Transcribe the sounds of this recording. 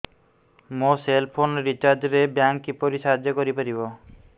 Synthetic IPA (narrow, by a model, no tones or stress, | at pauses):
moselpʰonɾit͡ʃaɾd͡ʒɾebjaŋkːipoɾisaɦad͡ʒjɔkɔɾipaɾibɔ